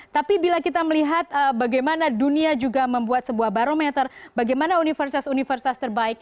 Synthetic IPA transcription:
t̪apibilakit̪aməliɦat̪̚əbaɡajmanaduniad͡ʒuɡaməmbuat̪̚səbuahbaɾomɛt̪ərbaɡajmanaunifərsi̥t̪asunifərsi̥t̪ast̪ərbaɪk̚

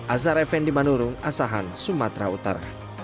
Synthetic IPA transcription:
ʔasaɾɛfɛndimanuɾʊŋasaɦansumat̪ɾaut̪a̰ɾa

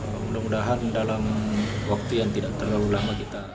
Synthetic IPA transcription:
mudamudaɦandalamwak̚t̪ujaŋt̪idaʔ̚t̪ərlaulamakit̪a

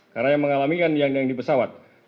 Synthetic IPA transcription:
karnajaŋməŋalamikanjaŋjaŋdipəsawat̪̚

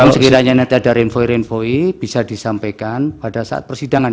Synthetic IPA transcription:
msəkiɾaɲanat̪adaɾenfoiɾenfoib̥isad̥isampajkanpadasa̰ʔa̰t̪̚pərsidaŋan

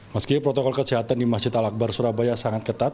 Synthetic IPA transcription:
məskipɾot̪okɔlkəsiɦat̪andimasd͡ʒɪt̪alak̚barsuɾahbajasaŋat̪̚kət̪at̪̚

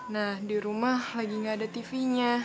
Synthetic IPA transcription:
nahdiɾumahlaɡiŋɡaːdat̪ifiɲa

